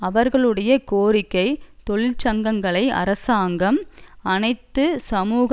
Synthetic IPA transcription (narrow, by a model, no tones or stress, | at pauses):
ɐʋɐɾɣɐɭɯɽɐjɐkoːɾɪkːɐɪt̪ɔɭɪlt͡ʃɐŋɡɐŋɡɐɭɐɪʔɐ̰ɾɐsaːŋɡɐmɐnɐɪt̪ːɯsɐmuːɣ